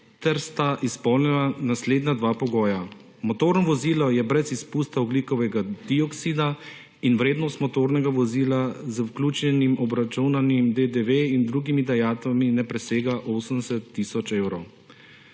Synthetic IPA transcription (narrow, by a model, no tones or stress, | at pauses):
t̪ɛɾst̪aʔispɔwnɛnanasleːd̪nad̪ʋaːpɔɡɔːja | mɔt̪oːɾnɔʋɔziːlɔjɛbɾɛzispuːst̪aɔblikɔʋɛɡad̪̥iɔksid̪a | inʋɾeːd̪nɔst̪mɔt̪oːɾnɛɡaʋɔziːlazəwklʲuːt͡ʃɛnimʔɔbɾat͡ʃunanimd̪ed̪eʋeind̪ɾuːɡimid̪ajaːt̪ʋaminɛpɾɛseːɡaʔoːsənsɛt̪ːisɔt͡ʃewɾɔw